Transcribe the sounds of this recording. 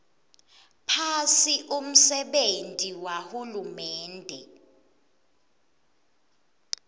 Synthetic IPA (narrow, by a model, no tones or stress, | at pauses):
pʰasiʔum̩sɛɓentʼiwahulumɛːndʱɛ̰